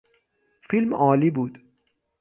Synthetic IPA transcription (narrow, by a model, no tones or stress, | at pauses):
filmʔɒːliːbuːd̪̥